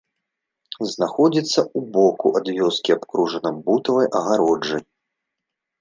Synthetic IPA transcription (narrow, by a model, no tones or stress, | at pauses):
znaxɔd͡zʲit̪sːɐubɔkuʔad̪vʲɔskʲiapkɾuʐɐnɐbut̪ɐvɐjʔɐɣaɾɔd͡ʐːɨj